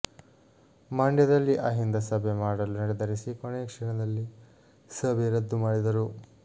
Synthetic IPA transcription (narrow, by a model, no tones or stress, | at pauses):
maːɳɖjɐd̪ɐlːiʔaːɦind̪ɐsɐbemaːɽɐlunɐɾid̪ɐɾisikoɳeːkʂɛɳɐd̪ɐlːi | sɐbeɾɐd̪ːumaːɽid̪ɐɾu